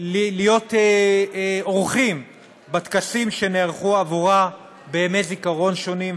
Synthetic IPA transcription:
lilijo̞te | oʁχim | bat̪kasimʃe̞neaʁχuavuʁa | bemezikaʁo̞nʃo̞nim

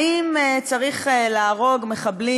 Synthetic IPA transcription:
imet͡saʁiχelaaʁo̞ɡme̞χabli

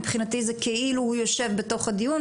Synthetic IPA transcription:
pχinat̪izekeʔiluhujoʃe̞vbeto̞χhad̪ijun

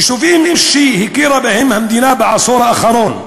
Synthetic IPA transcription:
ʃufiːniʃːiːhikiɾˤɑbehimhamd̪inabaʕasˤuɾˤɑʔaxɑɾuːn

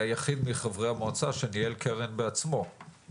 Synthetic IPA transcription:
ajaχid̪miχavʁehamot͡saʃenielkʰeʁenbeat͡smo̞

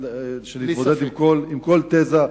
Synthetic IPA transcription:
ʃeniboed̪imkolimko̞lt̪eza

